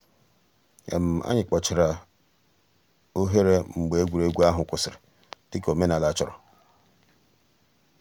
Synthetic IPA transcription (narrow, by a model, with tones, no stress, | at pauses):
ḛ˨m̩˨a̰˦ɲɪ˨k͡pɔ˨t͡ʃɪ˨ɾa˨ | o˦ɦe˦ɾe˦ŋ͡m̩˨ɡ͡be˨e˦ɡʷu˨ɾe˦ɡʷu˦a˦ɦʊ˨kʷʊ˨sɪ˨ɾɪ˨ | tɪ˦ko˨me˦na˨la˨˦t͡ʃɔ˨ɾɔ̰˨